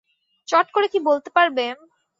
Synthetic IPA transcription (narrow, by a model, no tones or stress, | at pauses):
t͡ɕɔʈkoɾekibolt̪epaɾbe